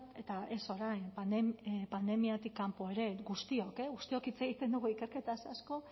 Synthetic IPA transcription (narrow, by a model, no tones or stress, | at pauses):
e̞t̪ae̞so̞ɾajnpanepand̪e̞miat̪ikːampo̞e̞ɾe̞ɡust̪io̞keɣust̪io̞kit͡seɣ̞it̪e̞nd̪uɣuike̞ɾke̞t̪asasko̞